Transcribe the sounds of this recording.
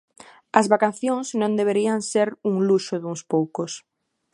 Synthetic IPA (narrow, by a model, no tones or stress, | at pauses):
ɐzβakaθjõŋsnõnd̪eβ̞eɾiaŋseɾuŋluʃʊðuŋspowkos